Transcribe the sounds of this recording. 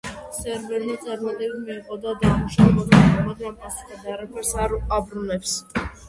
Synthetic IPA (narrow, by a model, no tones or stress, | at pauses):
sɛɾvɛɾlit̪sʼaɾmat̪ʼɛbimiɛχʼɔd̪ad̪ɾamuʃaɛbad̪aɔbad̪ɾampʼasi̥k̪ʰʼad̪aaɾapʰɛɾsabɾunɛps